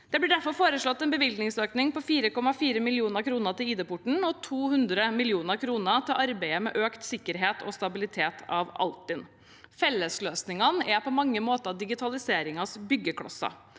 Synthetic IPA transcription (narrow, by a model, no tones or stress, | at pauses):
d̪̥ɛblɪɖæɾfɔɾfoːɾəʂɭɔt̪ːɛnbəʋɪlɡ̪nɪŋsøːknɪŋpɔfiːɾəkɔmɑfiːɾəmɪlɪuːnəɾkʰɾuːnəɾt̪ɪliːd̪eːpʊʈɳ̩ɔt̪ʰuːhʉnd̪ɾəmɪlɪuːnəɾkʰɾuːnət̪ʰɪlʔɑɾbæɪəmɛ̰ʔøːkt̪sɪkːəɾɦeːt̪ʰɔst̪ɑbɪlɪt̪ʰeːt̪ʰɑʋɑ̰lt̪ːɪn | fɛlːəsløːsnɪŋɑnəæpʰɔmɑŋːəmoːt̪əd̪ɪɡɪt̪ʰɑlɪseːɾɪŋɑsbʏɡːəkʰɽɑ̰sɑ̰